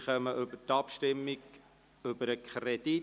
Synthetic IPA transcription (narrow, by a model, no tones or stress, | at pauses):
χœməʔʏbətɑpʃtɪmːik | øbəɾəkʰχred̥i